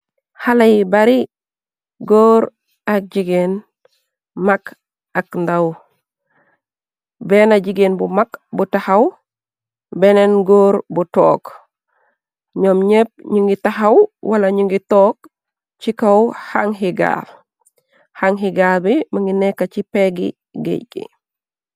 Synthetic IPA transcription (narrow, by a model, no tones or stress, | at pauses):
halajibaɾi | ɡoːɾ | ak̚ɟiɡen | mak | akndaw | bɛːnaɟiɡenbumakbutahɐw | bɛnenɡoːɾbutɔːk | ɲɔmɲep̚ɲuŋɡitahɐwwɐlɐɲuŋɡitɔːk̚ | t͡ʃikɐwhaŋɦiɡa̰l | haŋɦiɡalbiməŋɡinɛkːacipeɡḭ | ɡḛɟḭ